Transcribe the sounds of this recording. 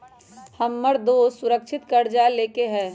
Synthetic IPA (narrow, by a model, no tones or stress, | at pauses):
hɐmːəɾd̪oːsʊɾəkʃʰɪt̪kɐɾd͡ʒaleːkeɦɛ̃ː